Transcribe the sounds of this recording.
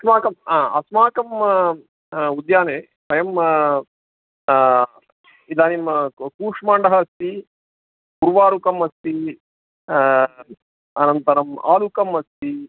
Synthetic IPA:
ɐsmaːkɐmaːɐ̰smaːkɐm | ud̪jaːneː | pɐjɐm | id̪aːnimkuːʂmaːɳɖɐɦɐst̪i | ɡuɾʋaːɾukɐmɐst̪i | ɐnɐnt̪ɐɾɐma̰ːlukɐmɐst̪i

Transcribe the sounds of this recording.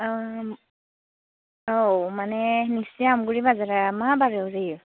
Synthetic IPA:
omanɛnisiamɡuɹibazaɹaamabaɹɛzajɔ

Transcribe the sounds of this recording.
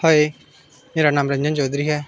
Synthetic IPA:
hoe | meːɾanaːmɾə̃ɲd͡ʒənt͡ʃoːd̪ɾiːɦɛː

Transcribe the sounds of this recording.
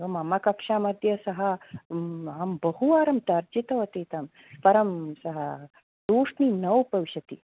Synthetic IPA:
ɐmɐmɐkɐkʂaːmɐd̪ʱjɐsɐɦɐ | ɐmbɐɦuaːɾɐmt̪ɐɾd͡ʒit̪ɐʋɐt̪it̪ɐm | pɐɾɐmsɐɦɐ | d̪oːʂninɐwpɐʋɕɐt̪i

